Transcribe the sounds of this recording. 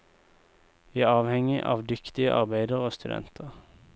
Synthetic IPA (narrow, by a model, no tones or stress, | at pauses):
iæːɑːʋhɛŋɪʔɑ̰ːʋd̪ʏkt̪ɪəʔɑʁbæɪd̪əʁoːst̪ʉd̪ɛ̰nt̪ʰəʁ